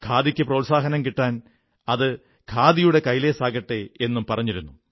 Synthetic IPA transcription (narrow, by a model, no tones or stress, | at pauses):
kʰaːðikʲːɨproːsaːɦɐnɐmkiʈːaːn | ɐðɨ | kʰaːðijuɽe̞kɐjle̞ːsaːɡɐʈːee̞nːumpɐrɐɲːiɾunːu